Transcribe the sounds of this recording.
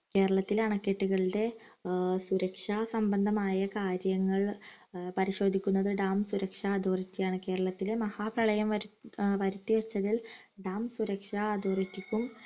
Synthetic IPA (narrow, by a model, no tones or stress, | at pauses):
ke̞ːɾɐɭɐt̪ːilɐɳɐkːeʈːuɣɐɭiɖe̞ | suɾɐkʂasɐmbɐnd̪ʱɐmaːjɐkaːɾjɐŋːɐɭpɐɾiɕo̞ːd̪ʱikʲːunːɐðɨɖaːmsuɾɐkʂaːd̪oːrit͡ɕːijaːɳɨke̞ːɾɐɭɐt̪ːilemɐhaːprɐɭɐjɐmʋɐʋɐɾut̪ːiʋɐt͡ɕːɐðil | ɖaːmsuɾɐkʂaːd̪oːritːikʲːum